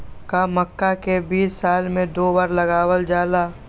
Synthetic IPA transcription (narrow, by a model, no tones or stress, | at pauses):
kaməkːakebiːsːaːlmẽd̪oːbaːɾlɐɡaːwəld͡ʒaːlaː